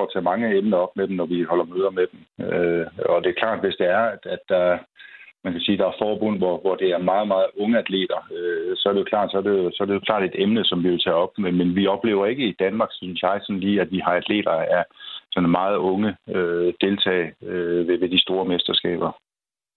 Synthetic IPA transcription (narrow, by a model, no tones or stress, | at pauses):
ɒ̰ːt͡sʰɛmɑ̈ŋəemnɐɒ̽b̥med̥emnɒʋihɒ̽l̰ɐmøːð̞ˠɐmed̥emøɒ̽d̥e̝æɐkʰlɑ̰̈ːd̥ʋe̝sd̥e̝æɐ̥æd̥ːɑ̈ | mænkʰæsiːd̥ɑ̈æɐfɒːb̥ɔ̽n̰ʋɒʋɒd̥e̝æɐmɑ̈ːð̞̩ˠmɑ̈ːð̞̩ˠɔ̽ŋəæd̥ʰle̝̰ːd̥ɐøsɒ̽æɐɾ̥ejo̝kʰlɑ̈ːd̥sɒæde̝osɒ̽æɐdejo̝kʰlɑ̰̈ːd̥e̝d̥emnəsɒ̽mʋiʋe̝lt͡sʰɛ̰ːɒ̽b̥̚memenʋiɒ̽b̥le̝̰ːʊɐe̝ɡ̥əid̥ænmɑ̈ːɡ̥synsjɑ̈ɪsɒ̽nliːæd̥ʋihɑ̈æd̥ʰle̝̰ːd̥ɐæɐsɒ̽nmɑ̈ːð̞̩ˠɔ̽ŋəød̥e̝lt͡sʰɛ̰ːɪøʋeʋe̝d̥isd̥o̝ːɐmesd̥ɐsɡ̥ɛ̰ːb̥ɐ